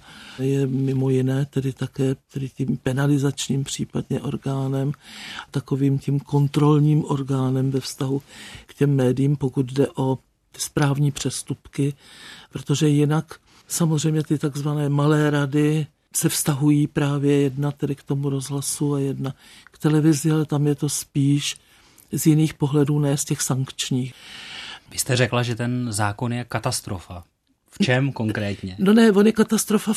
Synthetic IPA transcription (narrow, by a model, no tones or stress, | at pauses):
jɛmɪmo̞jɪnɛːt̪ɛdɪt̪akɛːt̪ɛdɪciːmpɛnalɪzat͡ʃɲiːmpr̝̥iːpadɲɛʔo̞̰ɾɡaːnɛmt̪ako̞viːmcimko̞nt̪ɾo̞lɲiːmʔo̞ɾɡaːnɛmvɛfst̪aɦukcɛmːɛːdɪjiːmpo̞kut̪dɛʔo̞ | t̪ɪ̥spɾaːvɲiːpr̝̥ɛst̪upkɪpɾot̪o̞ʒɛjɪnak | samozr̝ɛjmɲɛt̪ɪt̪aɡzvanɛːmalɛːɾadɪ | sɛfst̪aɦujiːpɾaːvjɛjɛdnat̪ɛdɪkt̪o̞muɾo̞zɦlasuajɛdna | kt̪ɛlɛvɪzɪalɛt̪amjɛt̪o̞spiːʃ | zjɪniːxpo̞ɦlɛduːnɛːscɛxsaŋkt͡ʃɲiːx | vɪst̪ɛrɛklaʒɛt̪ɛnzaːko̞njɛkat̪ast̪ɾofa | ft͡ʃɛmko̞ŋkɾɛːt̪ɲɛno̞nɛvonjɛkat̪ast̪ɾo̞fa